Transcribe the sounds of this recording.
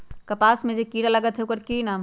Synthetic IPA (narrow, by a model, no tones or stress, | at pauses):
kɐpaːsmẽd͡ʒekiːɽalɐɡət̪ɦeukəɾkiːnaːm